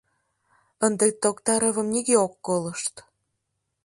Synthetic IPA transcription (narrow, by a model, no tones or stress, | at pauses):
ənd̪et̪ːokt̪ɑɾəβə̆mniɣeokːoləʃt̪